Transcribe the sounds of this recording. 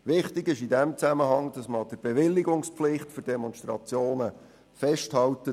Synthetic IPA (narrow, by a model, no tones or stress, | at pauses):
ʋɪχtɪɡɪʃidɛmt͡sæməɦɑŋd̥ɑsməɑd̥əɾbeʋɪlːiɡʊŋspflɪχtfʏɾdɛmɔnʃtrɑt͡sjoːnə | fɛʃthɑltə